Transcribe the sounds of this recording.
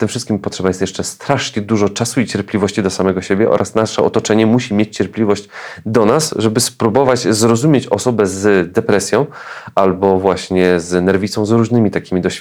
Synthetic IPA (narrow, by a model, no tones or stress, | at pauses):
t̪ɘmfʂɘst̪kʲimpɔtʂɛbajɛst̪jɛʂt͡ʂɛst̪ɾaʂɲɛd̪uʐɔt͡ʂasuit͡ɕɛɾplʲivɔɕt͡ɕid̪ɔsamɛɡɔɕebʲjɛʔɔ̰ɾʔasnaʂɛɔt̪ɔt͡ʂɛɲɛmuɕimʲjet͡ɕt͡ɕɛɾplʲivɔɕd͡ʑd̪ɔnasʐɛbɘspɾubɔvat͡ɕzɾɔzumʲjet͡ɕɔsɔbɛzd̪ɛpɾɛsʲjɔ̃w̃albɔvwaɕɲɛznɛɾvʲit̪sɔ̃w̃zɾuʐnɘmʲit̪akʲimʲid̪ɔɕfʲ